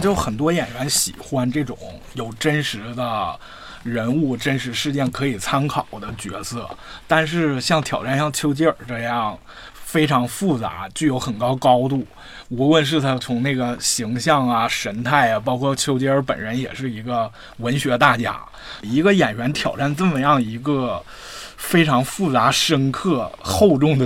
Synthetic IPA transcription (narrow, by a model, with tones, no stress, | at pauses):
t͡ɕjo˥˩ʊxə˨˩nt̪̬wɔ˥jɛ˨˩nɥɛ˧˥nɕḭ˨˩xwa˥nʈ͡ʂɤ˥˩ʈ͡ʂʊ̰˨˩˦ŋjo˨˩ʊʈ͡ʂə˥nʂɻ̩˧˥d̪ə˧ | ɻə˧˥nu˥˩ʈ͡ʂə˥nʂɻ̩˧˥ʂɻ̩˥˧t͡ɕjɛ˥˩nkʰɤ˧˥i˨˩t͡sʰa˥nkʰɑ˨˩ʊd̪ə˦t͡ɕɥɛ̰˧˥sʰɤ˥˩t̪a˥˧nʂ̬ɻ̩˥˧ɕjɑ˥˩ŋt̪ʰjɑ˨˩ʊʈ͡ʂa˥˧nɕjɑ˥˩ŋt͡ɕʰjo˥ʊt͡ɕɛ˥ə˞˨˩ʈ͡ʂɤ˥˧jɑ˥˩ŋ | fe˥ɪʈ͡ʂʰɑ˧˥ŋfu˥˩t͡sa̰˧˥t͡ɕy˥˩jo˧˥ʊxə˨˩nkɑ˥ʊkɑ˥ʊt̪u˥˩ | u˧˥wə˥˧nʂ̬ɻ̩˥˩t̪ʰa˥˩t͡sʰʊ˧˥ŋna˥˩ɡə˩ɕi˧˥ŋɕjɑ˥˩ŋɐ˩ʂə˧˥nt̪ʰa˥˩ɪa˩p̬ɑ˥ʊkʰwɔ˥˩t͡ɕʰjo˥ʊt͡ɕɛ˥ə˞˧˥pə̰˨˩nɻə˧˥njɛ̰˨˩ʂɻ̩˥˩i˧˥ɡə˧ | wə˧˥nɕɥɛ˧˥t̪a˥˩t͡ɕja̰˥ | i˧˥ɡə˧jɛ˨˩nɥɛ˧˥nt̪ʰjɑ˨˩ʊʈ͡ʂa˥˧nt͡sə˥˩mə˩jɑ˥˩ŋi˧˥ɡə˥˧ | fe˥ɪʈ͡ʂʰɑ˧˥ŋfu˥˩t͡sa˧˥ʂə˥nkʰɤ˥˩xo˥˧ʊʈ͡ʂʊ˥˩ŋd̪ə˩